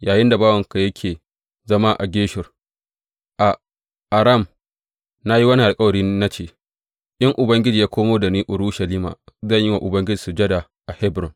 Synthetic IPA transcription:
jaː˨jɪ˦nda˨baː˦wɐ˨ŋka˨jɐ˦kʲʰeː˨ | zɐ˦ma˦ʔa̰˨ɡʲeː˦ʃɪ˨r | ʔa˨ | ʔa˨ɾa˦˨m | na˦ji˦wɐ˦ni˦ʔa˨lkʼɐ˦wɐ˨ɽiː˦na˦t͡ʃeː˦˨ | ʔɪ˦ŋʔʊ˨bɐ˦ŋɡʲɪ˦d͡ʒiː˨jaː˦kʷʰoː˦moː˦da˨niː˦ʔʊ˨ɾuː˦ʃɐ˨liː˦ma̰ː˨zɐ˦˨ɲjɪ˦wa˨ʔʊ˨bɐ˦ŋɡʲɪ˦d͡ʒiː˨su˨d͡ʒɐ˦da˨ | ʔa˨hɛ˦bɾɔ˨n

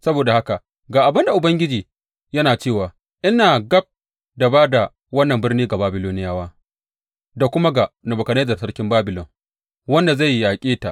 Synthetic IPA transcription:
sɐ˦boː˨da˨ha˦ka˨ | ɡaː˨ʔa˨bɐ˦nda˨ʔʊ˨bɐ˦ŋɡʲɪ˦d͡ʒiː˨ | jɐ˦naː˨t͡ʃeː˦˨waː˨ | ʔɪ˦naː˨ɡɐ˦b̚ | da˨baː˦da˨ | wɐ˦nːɐ˨mbɪ˦rniː˦ɡa˨baː˦bɪ˨loː˦nɪ˦jaː˦waː˦ | da˨kʷʊ˦ma˦ɡa˨nɐ˨bʊ˨kɐ˨neː˦zɐ˨rsɐ˦rkʲɪ˦mbaː˦bɪ˨lɔ˨ŋ | wɐ˦nda˨za˦˨jjaː˨kʲʼeː˦ta˨ʔ

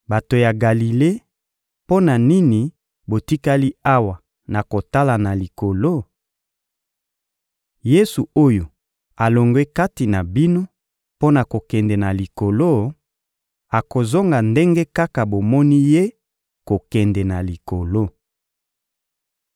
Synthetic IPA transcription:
ba˨to˨ja˨ɡa˨li˨le˦ | po˦na˨ni˦ni˨ | bo˨ti˦ka˦li˦a˦wa˨ | na˨ko˨ta˦la˨na˨li˨ko˨lo˦˨ | je˦su˨o˦jo˨ | a˨lo˨ŋɡwe˦ka˦ti˨na˨bi˦no˦ | po˦na˨ko˨kɛ˨ndɛ˨na˨li˨ko˨lo˦ | a˨ko˨zo˦ŋɡa˨nde˦ŋɡe˦ka˦ka˨bo˨mɔ˦ni˦je˦ | ko˨kɛ˨ndɛ˨na˨li˨ko˨lo˦

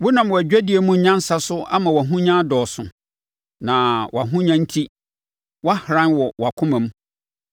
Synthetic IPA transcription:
wʊ˦nã˨m˨wæ˨d͡ʑᶣæ˦di˨˦e˨mũ˦ɲã˦n̩˦sa˦sʊ˦a̰˦mã˨wa˨ɦʊ̃˦ɲã˦dɔː˨sʊ̃˨ | nã˨wʔa˨ɦʊ̃˦ɲã˦n̩˦tʰi˦ | wa˦hɾã˦nwɔ˨wa˨kʰʊ̃˦mã˨m˦

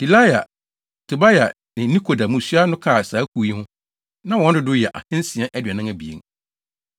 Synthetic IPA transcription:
di˨la˦ja˨ | tʰʊ˨ba˦ja˨ | nɪ̃˨˦nĩ˦kʰo˨da˨mũ˨sɥa˦nʊ̃˦kʰaː˦˨saː˨˦kʰu˨˦ji˦hʊ̃˦ | nã˦wɔ̃˨˦dɪ˦dʊ˦jɛ˨ʔa̰˨hɪ̃˦n˦si˨a˦ʔɛ˦dɥɛ˨nɪ̃˦ŋa˨bi˨ḛ˨ŋ

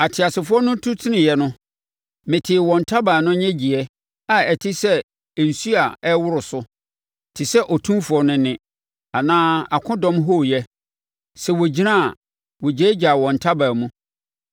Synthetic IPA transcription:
a˨tʰɪ˨a˨sɪ˨fʊ˦ɔ˦nʊ̃˦tʰʊ˦tʰɪ˦nɪ̃˨jɛ˨˦nʊ̃˦ | mɪ̃˨tʰɪ˨wɔ̃˨ntʰa˦ba˨nʊ̃˦ɲɛ̃˦d͡ʑi˨ɛ˦ | a˨ɛ˨tʰɪ˦sɛ˦˨ | n̩˨su˦a˨ɛ˦wʊ˦ɾʊ˨sʊ˦ | tʰɪ˨sɛ˦ʔɔ˨tʰũ˦mfʊ˨ɔ˦nʊ̃˦nɪ̃˦ | a˨nãː˦a˨kʰʊ̃˦dɔ̃˦mɦo˦˨jɛ˦ | sɛ˨wo˨d͡ʑi˦nã˦˨ | wɔ˨d͡ʑɛ˨˦d͡ʑa˨wɔ̃˨n˨tʰa˦baː˨mũ˦

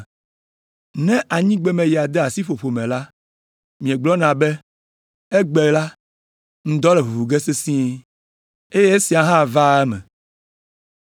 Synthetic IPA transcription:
nɛ̃˦ʔa˨ɲĩ˦ɡ͡bɛ˦mɛ̃˨ji˨a˨d̪ɛ˦a˨si˦ɸo˨ɸo˨mɛ̃˨la˦ | mĩ˨ɛ̃˨ɡ͡blɔ˦nã˨bɛ˦ | e˦ɡ͡bɛ˨la˦ | ŋ̩̃˨˦d̪ɔ˦lɛ˨ɦu˨vu˨ɡe˦se˦sĩ˦ | e˦je˦e˦si˨a˨ɦã˦˨va˦ɛ˦mɛ̰̃˨

